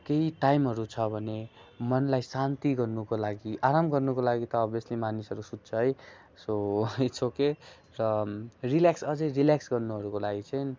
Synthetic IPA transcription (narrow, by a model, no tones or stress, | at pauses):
keiʈajmɦʌɾut͡sʰʌbʱʌnemʌnlajsant̪iɡʌrnukolaɡiʔaɾamɡʌrnukolaɡit̪ʌːbjʌslimanisʌɾusut̪̚t͡sʰʌɦʌj | sot͡sʰoke | rʌriljaksʌd͡zʌjriljaksɡʌrnuɦʌɾukolaɡit͡sʰʌjn